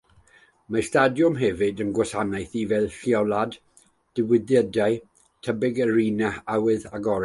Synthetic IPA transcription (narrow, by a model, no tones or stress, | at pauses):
mastadjʊmɦɛvɨdənɡwɛsanajθivɛlˠɬiɔlˠad | d̥ɪwɪðjədaj | tʰəbɪɡəriːnaawɨðaɡɔɾ